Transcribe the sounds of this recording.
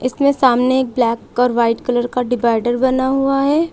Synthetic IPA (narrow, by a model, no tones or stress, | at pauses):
ɪsmẽsaːmneeːk̚blɛːkɔːɾʋaːɪʈkɐləɾkaɖɪbaːɪɖəɾbɐnaɦuaɦɛː